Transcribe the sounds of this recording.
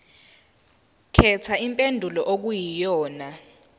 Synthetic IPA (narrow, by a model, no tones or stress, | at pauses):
kʰɛt͡sʰaimpʼendʱulɔʔok̬ujijɔːna